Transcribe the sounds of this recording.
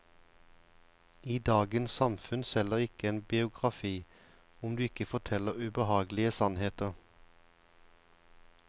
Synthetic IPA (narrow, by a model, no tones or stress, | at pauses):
iːd̪ɑːɡənsɑmfʉnsɛləʁɪkəeːnbɪʊɡʁɑfiː | ʊmd̪ʉːɪkəfɔt̪ʰɛləʁʉːbəhɑːɡlɪəsɑnheːt̪əʁ